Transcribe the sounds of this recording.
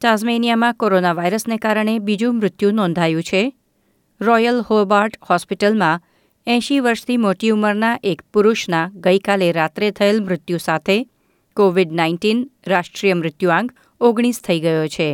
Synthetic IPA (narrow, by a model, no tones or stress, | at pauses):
ʈazmenijamãkoɾonaʋaiɾəsnekaɾəɳ̃ebid͡ʒũmɾɪt̪jũnɔ̃nd̪ʱajũt͡ʃʰe | ɾɔjəlhobaɾʈhɔspiʈəlmã | ɛ̃ʃiʋəɾʃt̪ʰimoʈiuməɾnaʔekpuɾuʃnaɡəjkaleɾat̪ɾet̪ʰəelmɾɪt̪jũsat̪ʰe | koʋiɖnainʈinɾaʃʈɾijəmɾɪt̪juãŋɡ | oɡɽ̃ist̪ʰəiɡəjot͡ʃʰe